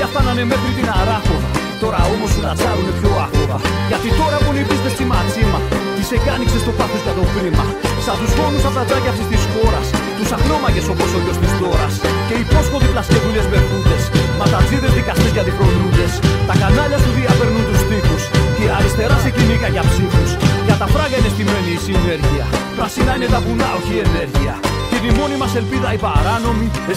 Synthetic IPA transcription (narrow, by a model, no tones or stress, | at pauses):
ɐft̪ɐnɐne̞me̞xɾit̪inɐɾɐxont̪o̞ɾɐo̞mo̞suðɐt͡sɐɾune̞pço̞ɐɣoɣɐʝɐt̪it̪o̞ɾɐponipist̪e̞st̪imɐksimɐt̪isecɐniksest̪opaθusʝɐt̪o̞pɾimɐ | sɐt̪uzmo̞nusɐft̪ɐt͡sɐʝɐfsest̪isxo̞ɾɐs | t̪usɐklo̞mɐʝe̞so̞posoʎo̞st̪ist̪o̞ɾɐsce̞ipo̞sko̞t̪iplɐsce̞ðuʎe̞zve̞ɾθuce̞smɐst̪ɐziðezðikɐst̪izʝɐt̪ifɾo̞nuʝe̞st̪ɐkanɐʎɐsp̪uðiɐpe̞ɾnunt̪ust̪ixusceɐɾist̪e̞ɾɐsecinikɐʝɐpsixusʝɐt̪ɐfɾɐɣɐine̞st̪ime̞niːsine̞ɾʝiɐpɾɐsinɐine̞t̪ɐpunɐo̞çie̞ne̞ɾʝiɐcet̪imo̞nimɐse̞lpiðɐipaɾɐno̞mi